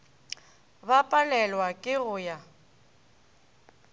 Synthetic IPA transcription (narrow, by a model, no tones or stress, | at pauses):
bapʼalɛlwakʼɪɣʊja